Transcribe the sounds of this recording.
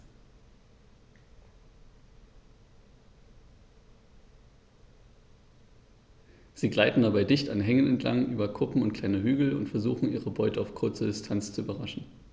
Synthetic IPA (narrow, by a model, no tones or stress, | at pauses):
z̥iːɡlaɪtn̩dabaɪdɪçtanɦɛŋənɛntʰla̰ŋʔyːbɐkʰʊpm̩ʊntkʰl̥aɪnəɦyːɡl̩ʊ̰ntfɛɐzuːxn̩iːʁəbɔʏtəaʊfkʰʊɐt͡sədɪstʰant͡st͡suʔyːbɐʁaʃn̩